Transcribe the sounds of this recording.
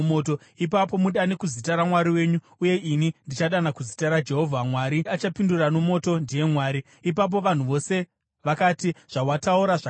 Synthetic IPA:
moːto | ipapo̞muɗanekuzitaɾamwaɾiwe̞ːɲu | uje̞ʔinindit͡ʃaɗanakuzitaɾad͡ʒe̞ɦo̞vʱamwaɾiat͡ʃapindurano̞mo̞ːto̞ndije̞mwaːɾi | ip̬ap̬o̞ʋan̤uʋo̞se̞ | ʋakaːtiʐ̥awatauɾaʐa

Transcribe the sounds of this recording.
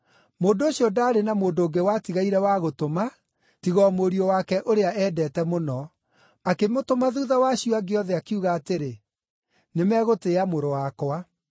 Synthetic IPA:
moːndooɕiɔdaːɾenamoːndoːɡewatiɣaiɾɛwaɣotoma | tiɣɔmoɾiɔwakɛʔoɾeaɛːdɛtɛmonɔ | akemotomaðuːðawaɕiɔaɡeɔðɛakiuɣaːteɾe | nemɛɣoteamoɾowakwa

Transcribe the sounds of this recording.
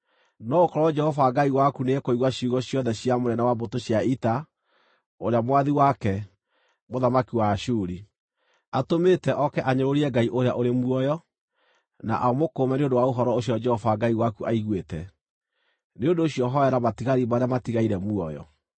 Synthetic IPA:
nɔokɔɾɔwɔd͡ʒɛhɔvaɡaiwakuneɛkoiɣwaɕuɣɔɕjɔðɛɕiamonɛnawabotoɕjaita | oɾeamwaðiwakɛ | moðamakiwaʃuːɾi | atometɛʔɔkɛʔaɲoɾoɾiɛɡaiʔoɾea̰ʔoɾemuɔjɔ | na̰ʔamokomɛneondowaoɦɔɾɔoɕiɔd͡ʒɛhɔvaɡaiwakuʔaiɣwetɛ | neondoːɕiɔɦɔɛɾamatiɣaɾimaɾeamatiɣaiɾɛmuɔjɔ̰

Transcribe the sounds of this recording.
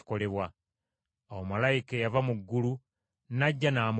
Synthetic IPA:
kole̞βwa | awomalaikejavamuɡːulu | naɟːanaːm

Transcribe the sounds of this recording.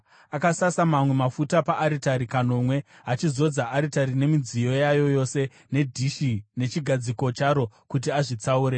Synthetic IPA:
akasasamamwe̞mafutapaʔːɾitaɾikano̞mwe̞ | ɦat͡ʃizo̞d͡zaʔːɾitaɾine̞mid͡zijo̞jajo̞jo̞se̞ | ne̞dʱiʃine̞t͡ʃiɡʱad͡ziko̞t͡ʃaɾo̞kut̬iaʐit͡sauːɾe̞

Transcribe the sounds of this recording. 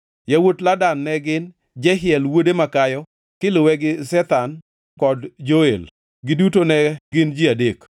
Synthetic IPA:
jawotladanːɛɡɪn | d͡ʒɛɦɪɛlwodemakajɔ | kɪlʊwɛɡɪsɛt̪an | kɔdd͡ʒoel | ɡɪdutonɛɡɪnd͡ʒiadek

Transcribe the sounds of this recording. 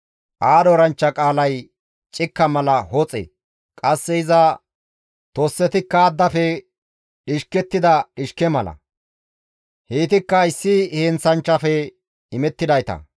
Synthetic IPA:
ʔaːd̪ɔɾɐnt͡ʃːɐkʼaːlɐj | t͡ʃʼɪkːɐmɐlɐhɔt͡sʼḛ | kʼɐsːɛɪzɐ | t̪oːsːɛt̪ɪkːɐːd̪ːɐfɛ | ɗɪʃkɛt̪ːɪd̪ɐɗɪʃkɛmɐlɐ̰ | heːt̪ɪkːɐɪsːɪheːnsɐnt͡ʃːɐfɛ | ɪmɛt̪ːɪd̪ɐjt̪ɐ̰

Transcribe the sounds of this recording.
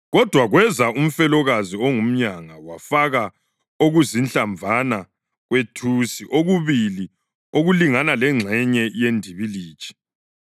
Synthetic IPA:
ɣɔd̥ʱwaɣwɛzaum̩fɛlɔɣaziɔŋum̩ɲaŋawafaɣa | oɣuzinɬaɱb̪vʱana | ɣwetʰusiʔoɣuβili | oɣuliŋanalɛŋ͡ǁʱɛɲɛjendʱiβili̥ːt͡ʃʰʼɛ̥

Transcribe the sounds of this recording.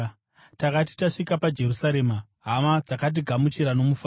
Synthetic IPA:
takati̥taʂikapad͡ʒe̞rusaɾe̞ːma | ɦamad͡zakat̬iɡʱamut͡ʃiɾano̞mufaː

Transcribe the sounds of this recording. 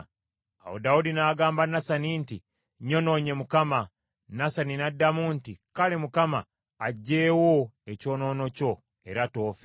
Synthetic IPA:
a̰wo̰daudinaːɡaːmbanasaninti | ɲo̞no̞ːɲe̞mukama | nasaninadːamuntikale̞mukamaː | ɟːe̞ːwoeco̞ːno̞ːno̞co̞ | e̞ɾato̞ːfe

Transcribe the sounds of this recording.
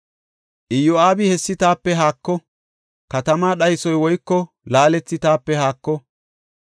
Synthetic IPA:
ʔɪjɔaːbɪhɛsːɪt̪aːpːɛɦaːkːɔ | kɐt̪ɐmaːɗɐjsɔjwɔjkːɔ | laːlɛt͡sːɪt̪aːpːɛhaːkːɔ

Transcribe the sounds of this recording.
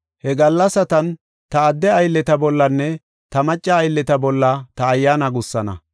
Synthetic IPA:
hɛɡɐlːɐsɐt̪ɐn | t̪ɐːd̪ːɛɐjlːɛt̪ɐbɔlːɐnːɛ | t̪ɐmɐt͡ʃʼːɐːjlːɛt̪ɐbɔlːɐt̪ɐːjːaːnɐɡʊsːɐnɐ̰

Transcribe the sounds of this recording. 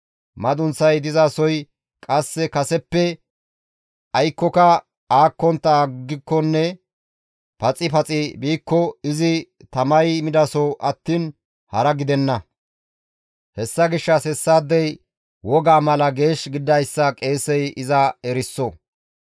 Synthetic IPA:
mɐd̪ʊnsɐjd̪ɪzaːsɔj | kʼɐsːɛkɐsɛpːɛ | ɐjkːɔkɐ | aːkːɔnt̪ːɐɡːɪkːɔnːɛ | pɐt͡sʼɪpɐt͡sʼɪbiːkːɔɪzɪ | t̪ɐmɐjmɪd̪ɐsɔʔɐt̪ːiːn | hɐɾɐɡɪd̪ɛnːɐ | hɛsːɐɡɪʃːɐsɛsːaːd̪ːɛj | wɔɡaːmɐlɐɡe̞ːʃɡɪd̪ːɐjsːɐkʼe̞ːsɛjʔɪzɐɛɾɪsːɔ

